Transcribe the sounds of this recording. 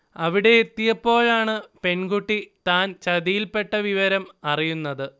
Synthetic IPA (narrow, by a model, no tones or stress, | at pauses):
ɐʋiɽe̞ːt̪ːijɐpːo̞ːɭaːɳɨpe̞nɡuʈːit̪aːnt͡ɕɐðijilpe̞ʈːɐʋiʋɐɾɐmɐrijunːɐðɨ